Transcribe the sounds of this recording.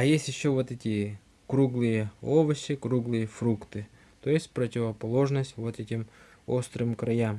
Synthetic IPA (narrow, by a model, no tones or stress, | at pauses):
ɐjesʲtʲjɪɕːovot̪ɛtʲɪ | kɾuɡlˠɨjəovəɕɪkɾuɡlˠɨjəfɾukt̪ɨ | t̪ojɪsʲtʲpɾətʲɪvəpɐlˠo̞ʐnəsʲtʲvot̪ɛtʲɪm | o̞st̪ɾɨmkɾɐjam